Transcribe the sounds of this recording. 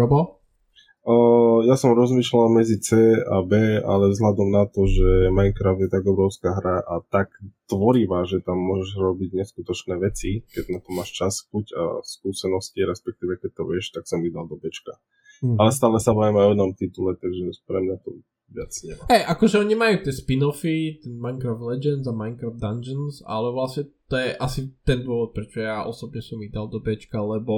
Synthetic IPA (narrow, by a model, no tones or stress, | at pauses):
ɔbɔ | əjasɔmɾɔzmiːʃlalmɛd͡zit͡sɛːa̰bɛːa̰lɛvzɦlad̪ɔmnat̪ɔʒɛmajŋkɾafd̪jɛt̪aɡɔbɾɔʊskaːɦɾaʔat̪akt̪ʋɔɾiʋaʒɛt̪amːʊɔʒɛʒɾɔbiɟɲɛskut̪ɔt͡ʃnɛːʋɛt͡sikɛɟnat̪ɔmːaːʃt͡ʃasbuca̰skuːsɛnɔsciɾɛspɛk̚t̪iːʋɛkɛc̚t̪ɔʋɪɛʃt̪aksɔmid̪ald̪ɔbɛt͡ʃka | alɛst̪aːlɛsabaːjɛmɛɔjɛnɔmt̪it̪ulɛt̪aɡʒɛɲupɾɛmɲat̪ɔ̰ | ʋɪat͡sɲɛhɛjʔakɔʒɛɔɲimajuːt̪ɪɛspinɔfit̪ɛnmajŋkɾaflɛd͡ʒɛnd̪zamaɪŋkɾavd̪and͡ʒɛnsa̰lɛʋlasɲɛt̪ɔjɛʔasit̪ɛnd̪ʊɔʋɔt̪̚pɾɛt͡ʃɔjaʔɔ̰sɔbɲɛsɔmid̪alˠd̪ɔbɛt͡ʃkalɛbɔ